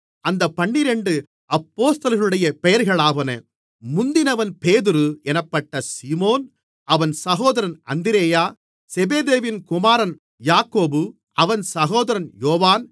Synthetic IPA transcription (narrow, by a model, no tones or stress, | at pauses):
ɐnd̪ɐpːɐɳːɪɾɛɳɖɯ | ɐpːoːst̪ɐlɣɐɭɯɽɐjɐpɛjɐɾɣɐɭaːʋɐnɐ̰ | mʊnd̪ɪnɐʋɐnpeːðɯɾɯɛnɐpːɐʈːɐsiːmoːn | ɐʋɐnsɐɣoːðɐɾɐnɐ̰nd̪ɪɾeːjaː | sɛbeːðeːʋɪnkʊmaːɾɐn | jaːkoːbɯ | ʔɐʋɐnsɐɣoːðɐɾɐnjoːʋaːn